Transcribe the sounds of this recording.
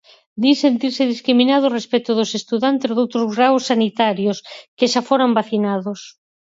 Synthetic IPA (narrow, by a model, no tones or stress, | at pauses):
d̪isent̪iɾseðiskɾimĩnaðʊorespɛt̪ʊðosest̪uðant̪esðowt̪ɾʊzɣɾawsːanit̪aɾjoskeʃafoɾambaθinaðʊs